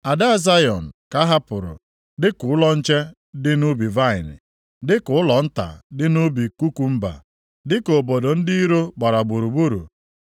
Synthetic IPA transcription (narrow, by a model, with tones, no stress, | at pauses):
a˨da˦a˦˨za˦jɔ˨n̩˨ka˦ɦa˦pʊ˨ɾʊ̰˨ | dɪ˦kʊ˨ʊ˦lɔ˦n̩˦t͡ʃe˦ | dɪ˦nu˦bi˨va˦˨ɪ̰˨nɪ̰˨ | dɪ˦kʊ˨ʊ˦lɔ˨n̩˦ta̰˨dɪ˦nu˦bi˨ku˦ku˨m̩˦ba̰˨ | dɪ˦ko˨bo˨do˨n̩˦di˦ɾo˦ɡ͡ba˨ɾa˨ɡ͡bu˨ɾu˨ɡ͡bu˦ɾṵ˨